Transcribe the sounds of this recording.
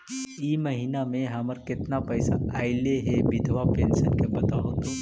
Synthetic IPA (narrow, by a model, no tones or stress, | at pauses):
imɐɦinamẽɦɐməɾkɪt̪napɛːsaaːɪleɦɛbɪd̪ʱʋapeːnsənkebɐt̪aɦot̪õ